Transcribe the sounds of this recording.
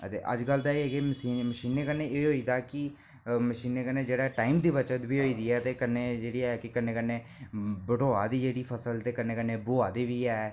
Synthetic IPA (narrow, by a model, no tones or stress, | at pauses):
ət̪ḛːʔə̰d͡ʒɡəld̪aːeːeɡeːməsiːməʃiːneːkənːeːʔeːɦoːiːd̪aːkɪ | məʃiːneːkənːeːd͡ʒeːɽaːɛʈaːimd̪iːʋət͡ʃət̪biːɦoːiːd̪iːɛːt̪eːkənːeːd͡ʒeːɽiːkɪkənːẽːkənːeː | bəʈoːaːd̪iːd͡ʒeːɽiːpʰəsəlt̪eːkənːeːkənːeːboːaːd̪iːʋiːɛː